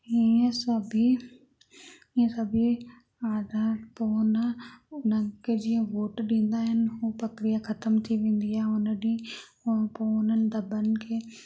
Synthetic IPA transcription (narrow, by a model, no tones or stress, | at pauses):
iə̃səbʱi | ĩsɐbʱi | aːd̪ãpoːnʊnəked͡ʒiə̃ʋoːʈɗĩːnd̪aɦɪnɪɦupɾɐkɾijakʰɐt̪əmt̪ʰiʋẽːn̆d̪iaʊnənĩ | poʊnənɪ̆d̪ɐbənɪ̆kʰeː